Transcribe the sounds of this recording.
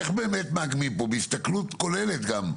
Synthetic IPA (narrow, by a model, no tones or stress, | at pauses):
eχbeːmet̪maːɡmipobeist̪aklut̪ko̞lelet̪ɡam